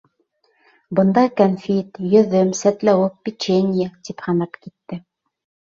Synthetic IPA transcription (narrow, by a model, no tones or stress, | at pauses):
bɤ̆nd̪ɑkɐnfʲit̪jɵ̆ðɘmsæt̪læwɘpːʲit͡ɕenʲɪjət̪iphɑnɑpkit̪ːɘ